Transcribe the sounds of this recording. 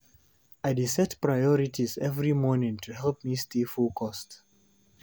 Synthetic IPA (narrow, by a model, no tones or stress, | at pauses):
aɪdisɛtpɹajɔɹitʰizɛvɹimɔnɪ̃ŋtʰuhɛlˠp̚mistifukʰɔst